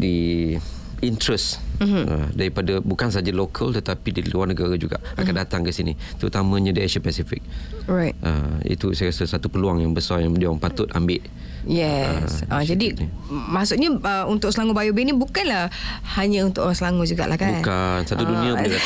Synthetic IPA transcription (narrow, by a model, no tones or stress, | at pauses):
di | int̪ɾəsə̰daɾipadabukansad͡ʒalokʰəlt̪ət̪apidiluarnəɡaɾad͡ʒuɡa̰ʔakkandat̪aŋkəsinḭt̪əɾut̪amə̃ɲãdiaʃapɛsifik̚ɹajtʔə̰mḭt̪usajɾasəsat̪upəluaŋjaŋbəsajaŋdiaŋpat̪ʊt̪ambɪʔ | jɛ̰sad͡ʒadi | masʊʔɲəəunt̪ʊʔsəlaŋubajubenibukanlahhaɲãunt̪ʊʔasəlaŋud͡ʒuɡa̰ʔlahkabunkansat̪udunĩa